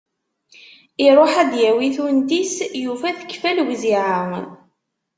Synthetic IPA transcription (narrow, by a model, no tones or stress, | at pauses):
iɾˤoħæd̪jæwiθunt̪isjufæθə̥kːfælwziʕəŋ